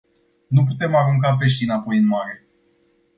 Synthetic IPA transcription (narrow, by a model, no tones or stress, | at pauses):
nup̬ut̪e̞maɾuŋkap̬e̞ʃ̬t̪inapo̞jɨnmaɾe̞